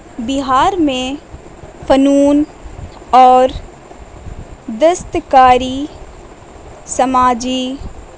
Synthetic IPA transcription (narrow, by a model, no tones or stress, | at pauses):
bɪɦaːɾmẽ | fənuːn | ɔːɾ | d̪əst̪kaːɾi | sɐmaːd͡ʒi